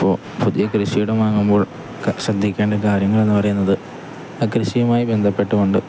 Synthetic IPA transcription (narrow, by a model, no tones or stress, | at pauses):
pːoː | puðijɐkrɨɕijuɽemaːŋːumbo̞ːɭ | ɕrɐd̪ʱːikʲːeːɳɖekaːɾjɐŋːɐɭe̞nːɨpɐrɐjunːɐðɨ | ɐkrɨɕijɐmaːjibe̞nd̪ʱɐpːe̞ʈːukoɳɖɨ